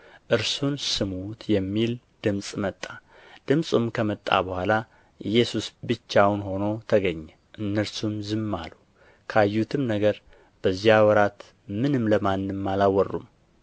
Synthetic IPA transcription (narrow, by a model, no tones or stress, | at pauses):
ʔɨɾsunsɨmut̪jɛmːil | d̪̥ɨmsʼmət̪ʼːa | d̪̥ɨmsʼumkʰəmət̪ʼːa̰bəhʷala | ɨjɛsusbɨt͡ʃːawnɦo̞no̞t̪ʰəɡəɲːɛ | ʔɨnːəɾsumzɨmːa̰lu | kʰəajːut̪ʰɨmnəɡəɾ | b̥əzːijawɔɾat̪ | mɨnɨmləmanːɨmːalawərːṵm